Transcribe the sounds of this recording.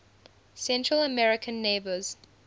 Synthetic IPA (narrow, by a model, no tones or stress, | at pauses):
sɛ̃ntɹələmɛɹɪkʰə̃nːeɪbəz̥